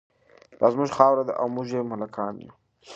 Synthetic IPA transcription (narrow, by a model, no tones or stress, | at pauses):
d̪̥ɑzmuʒxɑːwɾad̪əʔawmuʒemʊlakʰɑːnjṵ